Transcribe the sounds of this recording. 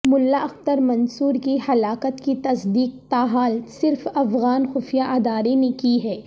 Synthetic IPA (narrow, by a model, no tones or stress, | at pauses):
mʊlːaʔɐxt̪əɾmɐ̃nsuːɾkihɐlaːkət̪kit̪ɐsd̪iːq̚t̪aːɦaːlsɪɾfɐfɣaːnxʊfijaʔɐd̪aːɾenekiɦɛː